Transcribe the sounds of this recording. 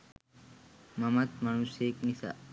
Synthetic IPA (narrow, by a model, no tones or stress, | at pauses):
mɐmɐt̪̚mɐñuseːknisa̰